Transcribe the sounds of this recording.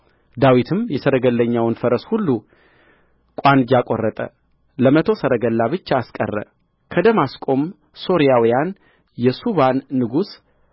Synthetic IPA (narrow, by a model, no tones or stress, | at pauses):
d̪awit̪ʰɨmjɛsəɾəɡəlːəɲːawnfəɾəshulːu | kʼand͡ʒakʼo̰rːət̪ʼə̰ | ləmət̪ʰo̞səɾəɡəlːaβɨt͡ʃːaaskʼə̰rːə̰ | kʰəd̪əmaskʼo̞m | so̞ɾijawijan | jɛsuβanːɨɡus